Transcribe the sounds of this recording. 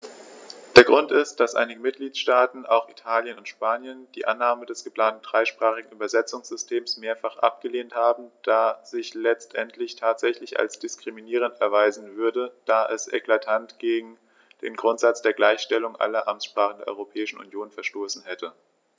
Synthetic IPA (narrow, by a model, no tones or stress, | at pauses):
d̥eːɐɡʁʊntɪst̚d̥asʔa̰ɪnɪɡəmɪt̚ɡ̥liːtʃtaːtn̩aʊxitʰaːljənʊntʃpaːnjənd̥iːʔanːaːmədɛsɡ̥əpl̥aːntn̩d̥ʁaɪʃpʁ̥aːχɪɡŋ̩ʔyːbɐzɛt͡sʊŋsz̥ʏstʰeːmsmeːɐfaχʔa̰p̚ɡ̥əleːnthaːbm̩d̥aːzɪçlɛt͡stʔɛntʰlɪçtʰaːtz̥ɛçlɪça̰lsd̥ɪskʁ̥iminiːʁ̞əntɛɐvaɪzn̩vʏɐdəd̥aːʔɛsʔɛ̰kl̥atʰantɡ̥eːɡŋ̩ | d̥eːnɡʁʊntz̥at͡sd̥eːɐɡlaɪçʃtɛlʊŋʔa̰lɐʔa̰mtsʃpʁ̥aːχədeɐʔɔ̰ʁopʰɛːɪʃn̩ṵnjoːnfɛɐʃtoːsn̩hɛtʰə